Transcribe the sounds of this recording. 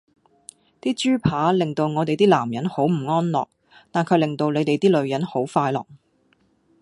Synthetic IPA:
t̪iː˥t͡ʃyː˥pʰaː˨˥lɪ˨ŋt̪o˧wŋɔː˨˧t̪e˨jt̪iː˥laː˨˩mjɐ˨˥nho˨˥wm̩˨˩ŋɔː˥nlɔ̰ː˨k̚ | t̪aː˨nkʰɵ˨˧ɥlɪ˨ŋt̪o˧wle˨˧t̪e˨jt̪iː˥lɵ˨˧ɥjɐ˨˥nho˨˥wfaː˧jlɔ̰ː˨˩ŋ

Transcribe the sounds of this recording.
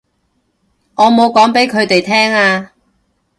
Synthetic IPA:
ŋɔː˨˧mo˨˧wkɔː˨˥ŋpe˨˥jkʰɵ˨˧ɥt̪e˨jt̪ʰɛː˥ŋaː˧

